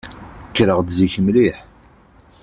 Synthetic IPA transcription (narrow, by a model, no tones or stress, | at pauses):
kːɾəʁd̪ziçəmliħ